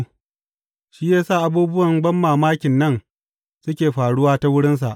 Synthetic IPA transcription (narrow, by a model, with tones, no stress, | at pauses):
ʃiː˦jaː˦saː˦˨ʔa˦buː˦bʊ˦wɐ˨ŋɡ͡bɐ˦mːaː˨maː˦kʲɪ˨nːɐ˦˨n | sʊ˦kʲeː˨ɸaː˨ɽʊ˦waː˦ta˦wʊ˦ɽɪ˦ns̬a˨ʔ